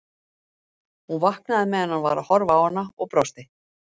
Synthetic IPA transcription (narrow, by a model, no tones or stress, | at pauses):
hunvahknaðɪmɛðanːanvaːɾahɔɾvaːwanːaɔɣpɾɔst̪ɪ